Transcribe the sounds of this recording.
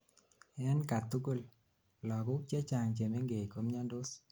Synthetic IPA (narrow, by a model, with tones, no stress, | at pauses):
ɛ˦nka˨t̪u˦ko˦˨l | lɔ˨ɡʊ˦k̚t͡ʃe˦t͡ʃa˨ŋt͡ʃe˨me˦ŋɡe˨jko˦mɲa˦ndo˦s